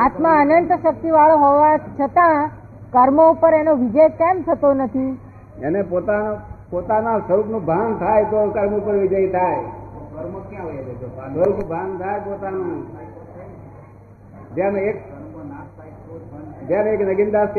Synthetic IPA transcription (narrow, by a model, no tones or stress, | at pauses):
at̪mãənənt̪ʃək̚t̪iʋaɭoɦoʋãt͡ʃʰət̪ã | kəɾmoupəɾenoʋid͡ʒəjkɛ̃mt̪ʰət̪onət̪ʰi | enepot̪apot̪anãsəɾupnũbʱaŋɡt̪ʰajt̪okəɾmupəɾʋid͡ʒəjt̪ʰaj | əɾupnũbʱãŋɡt̪ʰajpot̪anũ | d͡ʒjãmek̚ | d͡ʒ̪jãneknəɡind̪ast̪